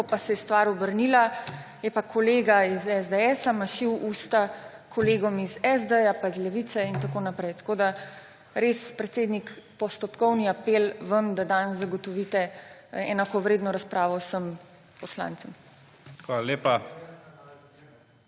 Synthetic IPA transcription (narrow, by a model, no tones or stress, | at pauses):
kɔpasɛst̪ʋaːɾɔbəɾnila | jɛpakʰɔleːɡaizɛzd̪eɛːsamaʃiwuːst̪a | kʰɔleːɡɔmizɛzd̪əjapaizlɛʋit̪sɛint̪akoːnapɾɛjt̪ɐ̥kod̪a | ɾeːspɾɛt̪seːd̪nikpɔst̪ɔpkɔwniapelʋəmd̪ad̪anzaɡɔt̪ɔʋit̪ɛɛnakɔʋɾeːd̪nɔɾaspɾaːʋɔwsəm | pɔslã̰ːnt̪səm | xʋalaleːpa